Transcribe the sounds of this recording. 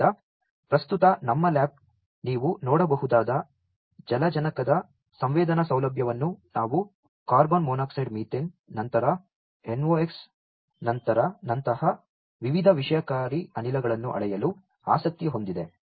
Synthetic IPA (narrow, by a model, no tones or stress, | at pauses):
ɐ | pɾɐst̪ut̪ɐnɐmːɐlaːp̚ | niːʋunɔːɽɐbɐɦud̪aːd̪ɐ | d͡ʒɐlɐd͡ʒɐnɐkɐd̪ɐ | sɐmʋɛːd̪ɐnɐsɐwlɐbʱjɐʋɐnːunaːʋu | kaːɾbonmoːnaːksɐɖmiːʈinnɐnt̪ɐɾɐ | enʋoːeks | nɐnt̪ɐɾɐnɐnt̪ɐhɐ | ʋiʋid̪ʱɐʋiʂɐjɐkaːɾiɐnilɐɡɐɭɐnːuʔɐ̰ɭɛjɐlu | a̰ːsɐk̚t̪jiɦo̞nd̪id̪e̞